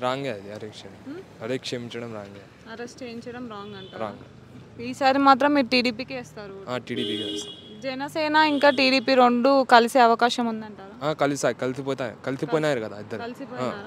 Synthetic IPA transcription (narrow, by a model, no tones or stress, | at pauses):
ɾaːŋɡead̪iɐɾeːkʂemiɐɾeːkʂemiɲt͡ʃɐɽɐmɾaːŋɡa | ɐɾesʈt͡ʃeːiɲt͡ʃɐɽɐmɾaːŋɡɐɳaɾa̰ːŋɡɐ | iːsaːɾimaːt̪ɾɐmːiːɾuʈiːɽiːpiːkieɛːst̪aːɾuaːʈiːɽiːpiːkɐest̪ad͡ʒɛnɐsɛːnaiŋkaːʈiːɽiːpiːɾoɳɖukɐliseːɐʋɐkaːʃɐmund̪ɐɳʈaːɾaːaːkɐlisaːikɐlisipoːjt̪aːj̰kɐlisippoːjnaːjiɾikɐd̪aːid̪ːɐɾɐlisipoː